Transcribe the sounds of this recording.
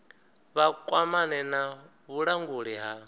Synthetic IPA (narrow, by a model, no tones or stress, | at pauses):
βakʼwamanɛna | βuɺaŋɡuɺiɦa